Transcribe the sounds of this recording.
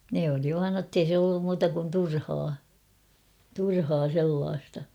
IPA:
ne oli ʋɑːn notːei se olːum muːtɑ kun turhɑː turhɑː selːɑːstɑ

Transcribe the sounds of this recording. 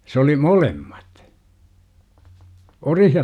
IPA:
s oli molemːɑt orih jɑ

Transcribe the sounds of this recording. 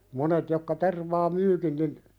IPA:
monet jokːɑ terʋɑː myːkin nin

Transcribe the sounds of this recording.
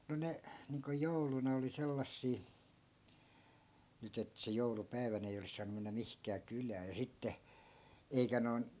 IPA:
no ne niːŋko joulunɑ oli selːɑsːiː nyt et se joulupæi̯ʋænæ̆ ei olis sɑːnu menːæ mihkæː kylæː jɑ sitːe eikæ noi̯n

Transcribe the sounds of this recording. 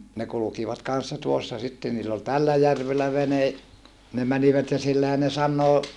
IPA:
ne kulukiʋɑt kɑn̞sːɑ tuosːɑ sitːe niːlː ol tælːæ jærʋelːæ ʋene ne mæniʋæt jɑ silːæhæn ne sɑnːoː

